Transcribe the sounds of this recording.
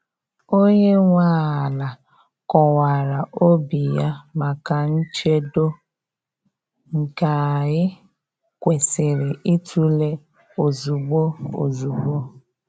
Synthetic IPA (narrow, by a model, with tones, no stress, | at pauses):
o˦ɲe˦ŋʷa˦a˨la˨ | kɔ˨wa˨ɾa˨ʔo˦bi˨ja˦ma˨ka˨n̩˦t͡ʃe˦do˦ | ŋ̩˨ka˨ɣɪ˦ | kʷe˨sɪ˨ɾɪ˨ʔi˦tu˦le˦ | o˨zu˨ɡ͡bo˦o̰˨zu˨ɡ͡bo˦